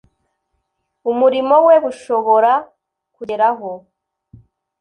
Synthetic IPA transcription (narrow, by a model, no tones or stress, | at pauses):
umuɾimo̞weβuʃo̞βo̞ɾa | kueɾaɦo